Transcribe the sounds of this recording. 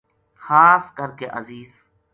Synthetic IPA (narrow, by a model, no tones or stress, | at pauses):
xaːskəɾkeʔəziːz